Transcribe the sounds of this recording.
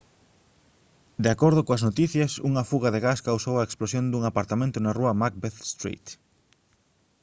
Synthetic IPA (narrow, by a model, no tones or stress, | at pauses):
d̪eakoɾðʊkoɐznot̪iθjɐsuŋɐfuɣɐðeɣaskawsowɐeksplosjond̪uŋapaɾt̪amẽnt̪ʊnaruɐmak̚beθst̪ɾḭt̪